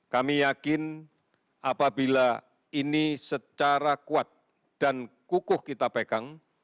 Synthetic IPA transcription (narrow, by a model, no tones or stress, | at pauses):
kamijakɪn | apabila | inisət͡ʃaɾakuat̪̚ | d̥ankukʊhkit̪apekaŋ